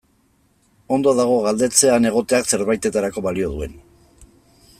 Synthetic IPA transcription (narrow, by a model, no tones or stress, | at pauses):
o̞nd̪oaðaɣ̞o̞ɣald̪e̞t͡se̞ane̞ɣ̞o̞t̪e̞akse̞ɾβajt̪e̞t̪aɾako̞βalio̞ð̞ue̞n